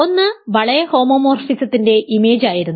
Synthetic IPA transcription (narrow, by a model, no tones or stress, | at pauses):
o̞nːɨʋɐɭɐjɐho̞ːmo̞ːmoːrsit͡ɕːɐt̪ːinde̞ʔime̞ːd͡ʑaːjiɾunːu